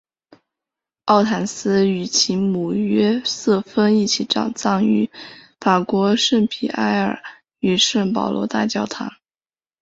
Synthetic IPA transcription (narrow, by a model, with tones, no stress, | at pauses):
ɑ˥˩ʊt̪ʰa˨˩nsɹ̩˥y˨˩t͡ɕʰi˧˥mu˨˩ɥɛ˥sɤ˥˩fə˥ni˥˩t͡ɕʰi˧˥ʈ͡ʂɑ̰˨˩ŋt͡sɑ˥˩ŋy̰˧˥ | fa˨˩kwɔ˧˥ʂə˥˩npʰḭ˨˩a˥ɪə̰˞˨˩ | y˨˩ʂə˥˩ŋp̬ɑ̰˨˩ʊlwɔ̰˧˥t̪a̰˥˩t͡ɕjɑ˥˩ʊt̪ʰa̰˧˥ŋ